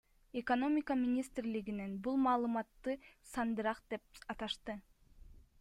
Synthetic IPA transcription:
ekono̞mʲɪkamʲinʲist̪rliɡinenbulˠmɑːlˠɯmɑt̪ːɯsɑnd̪ɯɾɑqd̪̥e̞p̚ɑt̪ɑʃt̪ɯ

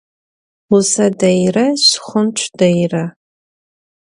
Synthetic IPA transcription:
usadajraɕχʷʊnt͡ʃʷʰdajra

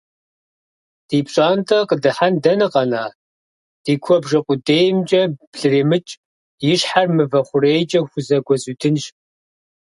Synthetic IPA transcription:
d̥iːpɕʼaːntʰʼɐqədɨħandɐnɨqɐnaː | d̥iːkʷʰɔbʒɐqʷʼʊdeːjmd͡ʒʼɐb̥ɮɨreːmɨt͡ʃʼ | jɪɕħarmɨvɐχʷʊrejt͡ʃʼɐxʷʊzɐɡʷɔzuːtʰɨnʃ

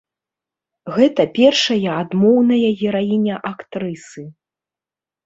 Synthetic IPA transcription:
ɣɛt̪ɐpʲɛrʂɐjɐad̪mɔwnɐjɐɣʲɛɾajinʲɐʔakt̪ɾɨsɨ

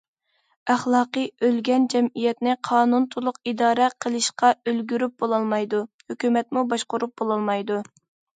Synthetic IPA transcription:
æχlˠɑːqəølɡʲɛnd͡ʒɛmijɛt̪nɪqʰɑːnunt̪ʰulˠʊqid̪ɑːɾɛqʰəlˠɨʃqɑølɡʲyɾyp̚bolˠɑlˠmɑjd̪uhøkʲymɛt̪̚mubɑʃqʊɾup̚b̥olˠɑlˠmɑjd̪u

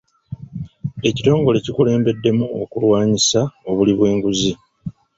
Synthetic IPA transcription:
e̞cito̞ːŋɡo̞le̞cikule̞ːmbe̞dːe̞muo̞̰kulwaːɲisao̞βuliβwe̞ːŋɡuzi

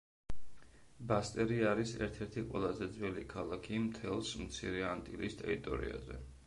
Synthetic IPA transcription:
bast̪ʼɛɾiaɾisɛ̰ɾt̪ʰɛɾt̪ʰiqʼwɛlˠazɛd̪zwɛlikʰalˠakʰimt̪ʰɛlˠsmt̪sʰḭɾɛant̪ʼilist̪ʼɛ̰ɾit̪ʼɔ̰ɾḭa̰zɛ̰

